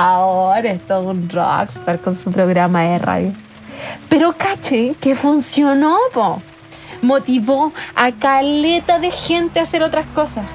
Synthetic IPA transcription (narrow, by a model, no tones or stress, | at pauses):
aoɾaeht̪oesunro̰kst̪aɾkonsupɾoɣɾamaðera̰ðjo | peɾokat͡ʃekefunsjonopo | mot̪iβoakalet̪aðexent̪easeɾot̪ɾaskosas